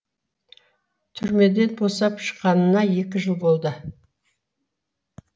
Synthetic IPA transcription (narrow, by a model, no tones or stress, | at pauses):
t̪ʰʏɾme̞d̪e̞nbo̞sɑpʃə̥qɑnənɑje̞kʲɪʒəlˠbo̞lˠd̪ə